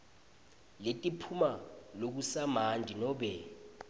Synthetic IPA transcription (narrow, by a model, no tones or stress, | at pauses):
letʼipʰumalok̬usamandʱinɔːɓɛ